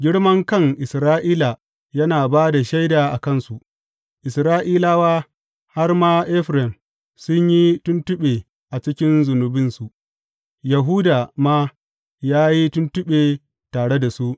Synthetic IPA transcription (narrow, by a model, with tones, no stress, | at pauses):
ɡʲɪ˦ɽmɐ˦ŋkɐ˦ŋʔɪ˨sɾaː˦ʔiː˦la˨ | jɐ˦naː˨baː˦da˨ʃa˦jdaː˨ʔa˨kɐ˦˨nsu˨ | ʔɪ˨sɾaː˦ʔiː˦laː˦waː˦ | ha˦rmaː˦ʔɛ˦ɸɾɛ˨m | sʊ˦ɲji˦tʊ˦ntʊ˦ɓeː˨ | ʔa˨t͡ʃɪ˦kʲɪ˦nzʊ˨nʊ˨bɪ˦nsu˨ʔ | ja˨ɦuː˦daː˨maː˦ | jaː˦ji˦tʊ˦ntʊ˦ɓeː˨ | taː˨ɽe˦da˨su˦ʔ